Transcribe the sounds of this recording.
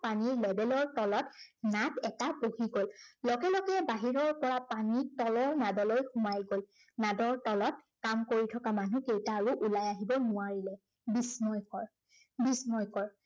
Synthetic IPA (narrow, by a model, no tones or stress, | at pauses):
paniɹlɛbɛlɔɹtɔlɔtnatɛtabohiɡolːɔɡɛlɔɡɛbaɦiɹɔɹpɔɹapanitɔlɔɹnadɔlojxʊmajɡol | nadɔɹtɔlɔt̚kamkoɹitʰɔkamanukejtaːɹuʔulajaɦibɔnʊaɹilɛ | bismɔjkɔɹ | bismɔjkɔɹ